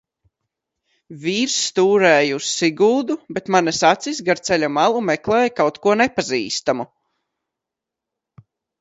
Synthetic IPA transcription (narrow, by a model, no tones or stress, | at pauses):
vʲiːɾst̪uːɾɛːjusːiɡuːd̪ubɛt̪manasat̪sis̬ɡaɾt̪sɛlʲamalˠumɛklˠɛːjkawt̪kuɔnɛpaziːst̪amu